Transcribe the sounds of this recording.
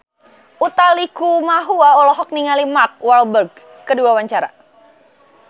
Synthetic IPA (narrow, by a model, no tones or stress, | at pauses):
ʔut̪alikumaɦuaɔlɔɦɔk̚niŋalimark̚walbərɡ̚ː | əduawaɲt͡ʃaɾa̰